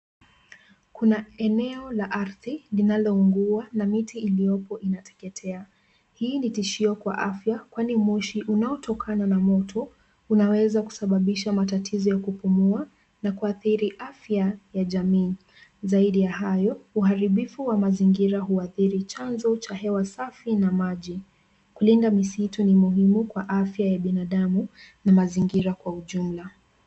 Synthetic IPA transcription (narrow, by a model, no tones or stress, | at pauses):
kunaɛnɛɔlaʔaɾðilinalɔuŋɡuanamitiilijɔpɔʔinatɛ̥kɛtʰɛa | hiːnitiʃiɔkwa̰ʔafjakwanimiʃiʔunaɔtʰɔkʰananamɔtʰɔ | unawɛzaku̥saɓaɓiʃamatatʰizɔjakupumua | nakuaθiɾiʔafjajaʄamiː | zaiɗijaɦajɔuɦaɾiɓifuwamaziŋɡiɾaɦuaθiɾit͡ʃanzɔt͡ʃahɛwasafinamaʄi | kulindamisitunimuɦimukwaʔafjajaɓinaɗamunamaziŋɡiɾakwauʄum̩la